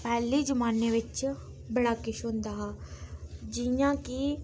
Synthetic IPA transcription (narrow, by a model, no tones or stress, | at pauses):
pɛːlid͡ʒʊmaːneʋɪt͡ʃ | bɐɽaːkɪʃoːnd̪aɦa | d͡ʒijãki